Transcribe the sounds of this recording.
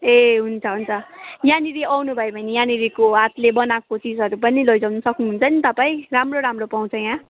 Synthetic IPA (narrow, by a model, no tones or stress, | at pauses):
eɦunt͡sʰʌɦunt͡sʰʌjãniɾiawnubʱʌebʱʌnijãniɾikoɦat̪lebʌnakot͡sid͡zʱɦʌɾupʌnilojd͡zʌwnʌsʌknuɦunt͡sʰʌnit̪ʌpaĩramroɾamropaw̃t͡sʰʌjã